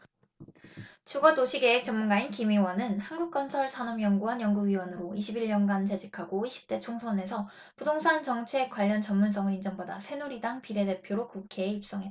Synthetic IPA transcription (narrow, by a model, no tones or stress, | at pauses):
t͡ɕuɡʌdoɕʰiɡe̞ɦek̚t͡ɕ͈ʌmːunɡainkimiwanɯnhanɡuk̚k͈ʌnsʰʌɭsʰanʌmjʌŋɡuɦanjʌŋɡuɥiwʌnɯɾoiɕʰibiʎɲʌnɡant͡ɕed͡ʑikʰaɡoiɕʰi̥p̚t͈e̞t͡ɕʰoŋsʰʌne̞sʰʌ | pudoŋsʰant͡ɕʌŋt͡ɕʰe̞kwaʎːʌnt͡ɕʌmmuns͈ʰʌŋɯɾind͡ʑʌŋboda̰sʰe̞noɾidaŋpiɾe̞de̞pʰjoɾokukʰe̞ːip̚s͈ʌŋɦet͈ːa